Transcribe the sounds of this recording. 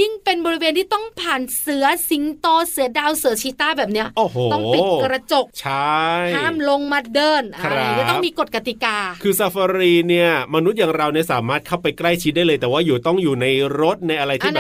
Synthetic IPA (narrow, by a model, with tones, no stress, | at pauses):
ji˥˩ŋpe˧nbɔː˧ɾi˧weː˧nt̪ʰiː˥˩t̪ɔ˥˩ŋpʰaː˨˩nsɯ˩˦ɐsi˨˦ŋt̪ɔː˧sɯ˩˦ɐdaː˧wsɯ˩˦ɐt͡ɕʰiː˦˥t̪aː˥˩bɛː˨˩p̚ni˦˥ɐʔoː˨˩hoː˧ɔ˥˩˦kɾa˧t͡ɕo˨˩k̚t͡ɕʰa˥hjaː˥˩mlo˧ŋma˧dɤː˧˩nɾa˦˥˩t̪miː˧ko˨˩t̪̚ka˧t̪i˨˩kaː˧kʰɯː˧sa˧fa˧ɾiː˧ni˥˩ɐma˧nu˦˥t̪̚jaː˨˩ŋɾa˧wni˥˩ɐsaː˩˦maː˥˩t̪̚kʰa˥˩wpa˧jkla˥˩jt͡ɕʰi˦˥daː˥˩jlɤː˧jt̪ɛː˨˩waː˥˩juː˨˩t̪ɔ˥˩ŋjuː˨˩na˧jɾo˦˥t̪̚na˧jʔa˧ɾa˧j̪iː˧˥˩bɛ˨